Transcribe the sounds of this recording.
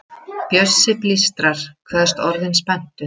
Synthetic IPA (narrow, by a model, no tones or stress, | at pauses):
pjœsːɪplist̪ɾaɾ̥kʰvɛːðst̪ɔɾðɪnspɛn̥t̪ʏ